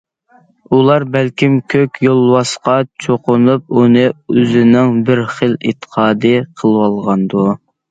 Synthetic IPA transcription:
ulˠɑɾbælkʲimkʲʰøkʲjolˠwɑsqɑt͡ʃʰoqʊnup̚unɨøzɪnɪŋbɪɾχəlḭt̪ʰːə̥qʰɑːd̪ɨqʰəlˠwɑlˠʁɑnd̪u

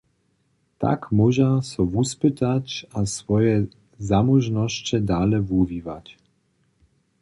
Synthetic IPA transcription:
t̪a̰kmɔʒasɔvuspɪt̪acasvɔjɛ | zamuʒnɔʃt͡ɕɛd̪aːlɛvuviːvac

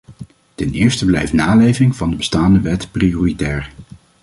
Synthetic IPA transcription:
tɛnɪːɹstəblɛ̰jftnaːlejvɪŋvɑndəbəstaːndəʋɛtprioːritɛːɹ

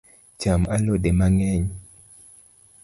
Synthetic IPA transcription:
t͡ʃamalodemaŋɛɲ

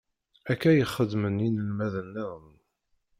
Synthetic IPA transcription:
ækːæjəχːəd̪məninəlmæðənːiʁən

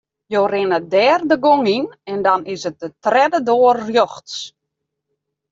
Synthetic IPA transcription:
joːrɪnədɛːrdəɡoŋinɛndɔnɪsət̚dətrɛdədoːərrjoxts

